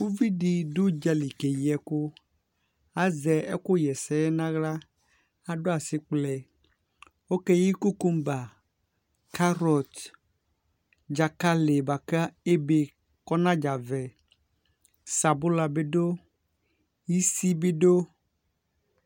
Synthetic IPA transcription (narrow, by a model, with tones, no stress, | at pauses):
wu˦vi˦ɖi˨ɖu˦d͡ʒa˨li˨ke˨ji˨˦ɛ˨ko˦ | a˦zɛ˨ɛ˦ko˦jɛ˨sɛ˦ɛ˦nã˦ɣla˦ | a˨ɖo˦a˨si˨˦k͡plɛ˨ | wo˦kɛ˦ji˦ku˦ku˦mba˨ | ka˦ɾɔ˨t̪ | d͡ʒa˨ka˦le˨ba˨ka˦e˦be˨ | kɔ˦nã˦d͡ʒa˨vɛ˨ | sa˨bo˦la˨be˦ɖo˦ | ji˦si˦be˦ɖo˦